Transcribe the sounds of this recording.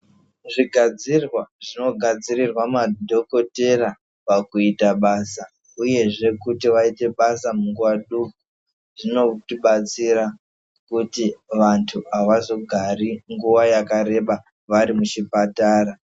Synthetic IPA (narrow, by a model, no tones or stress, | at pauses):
ʐiɡʱad͡zirwaʐino̞ɡʱad͡zirirwamadʱo̞ko̞te̞ra | pakuitaɓaːsa | uje̞ʐe̞kutiʋaite̞ɓasamuŋɡuwaɗuku | ʐ̥ino̞tiɓat͡siɾa | kutiʋantʰuaʋazo̞ɡʱariŋɡuwajakaɾe̞ɓa | ʋaɾimuʃipataːra